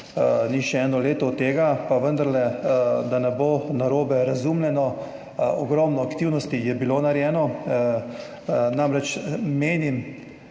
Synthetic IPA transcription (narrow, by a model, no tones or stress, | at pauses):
niʃɛɛːnɔleːt̪ɔt̪ːeːɡapaʋənd̪aɾlɛd̪anɛboːnaɾoːbɛɾazumlʲɛnɔ | ɔɡɾɔmnɔakt̪iwnɔst̪ijɛbilonaɾjɛːnɔ | namɾɛt͡ʃmeːnim